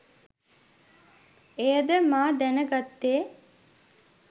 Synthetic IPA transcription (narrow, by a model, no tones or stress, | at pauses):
ejəd̪əmaːd̪ɛnəɡat̪ːeː